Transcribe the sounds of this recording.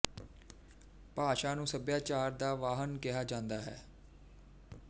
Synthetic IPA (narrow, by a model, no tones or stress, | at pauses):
paːʃaːnũːsəbjaːt͡ʃaːɾd̪aːʋaːɦənkɪɦaːd͡ʒãːnd̪aːɦɛ̰ː